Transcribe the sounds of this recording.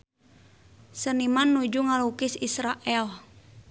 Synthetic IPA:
sənimanːud͡ʒuŋalukɪsisɾaʔɛl

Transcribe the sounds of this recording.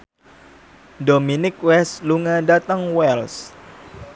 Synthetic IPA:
dominɪk̚wɛsluŋadat̪əŋwɛls

